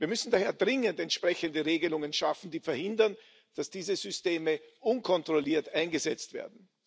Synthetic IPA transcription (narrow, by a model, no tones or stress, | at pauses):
viːɐmʏsn̩daːheːɐdʁɪŋəntɛntʃpʁ̥ɛçəndəʁeːɡəlʊŋənʃafn̩d̥iːfɛɐhɪndɐn | d̥asd̥iːzəzʏsteːməʔʊnkʰɔntʁ̥oliːɐtaɪnɡəzɛt͡stv̥ḛːɐdn̩